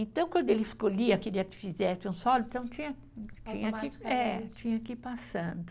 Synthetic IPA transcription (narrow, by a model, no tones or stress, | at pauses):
ẽnt̪ɐ̃w̃kwɐ̃nd̪ʊelɪɪskoʎiɐakeliɐkɪ̥fizɛsɪũsɔlʊĩt̪ɐ̃w̃t͡ʃĩɲɐ | t͡ʃĩɲɐakiɛt͡ʃĩɲɐakipasɐ̃d̪ʊ